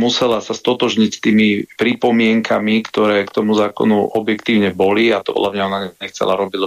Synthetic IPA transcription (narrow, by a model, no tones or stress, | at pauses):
musɛlasast̪ɔt̪ɔʒɲicst̪iːmipɾipɔmɪɛŋkʰamikt̪ɔɾɛːkt̪ɔmuzaːkɔ̰nuʔɔbjɛkt̪iːʊɲɛbɔliat̪ɔpɔ̰dlamɲaɔnaɛɲɛxt͡sɛ̰laɾɔbi